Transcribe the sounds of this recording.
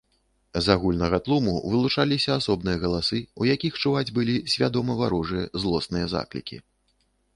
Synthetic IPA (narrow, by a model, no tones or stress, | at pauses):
zaɣulʲnɐɣɐt̪lˠumṵvɨlˠut͡ʂalʲisʲɐasɔbnɨjɐɣɐlˠasɨujakʲixt͡ʂuvad͡zʲbɨlʲisʲvʲad̪ɔmɐvaɾuʐɨjɐzlˠɔsnɨjɐza̰klʲḭkʲḭ